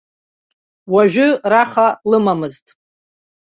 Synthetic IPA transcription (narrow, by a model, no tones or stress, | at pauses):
waʒᶣʊraχalɨmamɨztʼ